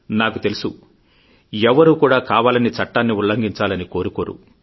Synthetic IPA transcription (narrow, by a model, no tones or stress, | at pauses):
naːkut̪e̞lusu | ɛʋɐɾuːkuːɽaːkaːʋaːlɐnit͡ʃɐʈːaːnːiulːɐŋɡiɲt͡ʃaːlɐniko̞ːɾukoːɾṵ